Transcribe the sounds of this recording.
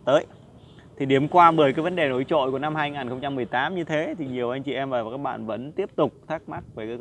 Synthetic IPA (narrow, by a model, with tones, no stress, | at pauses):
t̪əː˨˦j | t̪ʰi˨˩ɗi˨˩əmkwaː˧ɓəː˧˩jkaː˨˦jvə˨˦nɗe˨˩no˨˦jt͡ɕo̰˧˨ku˧˩əna˧mhaː˧jŋaː˨˩nxə˧wŋ͡mt͡ɕa˧mːɨ˨˩əjt̪aː˨˦mɲɨ˧t̪ʰe˨˦t̪ʰi˨˩ɲi˨˩əwʔa˧jŋt͡ɕḭ˧˩ʔɛ˧mvaː˨˩˨kaː˦˥k̚ɓa̰ː˧˨nvə̰˧˥nt̪i˦˥əp̚t̪ʊ˨˩k͡p̚t̪ʰaː˦˥k̚ma˦˥t̚vəː˨˩kaː˨˦